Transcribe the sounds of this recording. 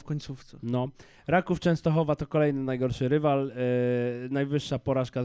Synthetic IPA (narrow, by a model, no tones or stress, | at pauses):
fkɔɲt̪suft̪sɛnɔ | ɾakuft͡ʂɛ̃w̃st̪ɔxɔvat̪ɔkɔlɛjnɘnajɡɔɾʂɘɾɘval | najvɘʂːapɔɾaʂka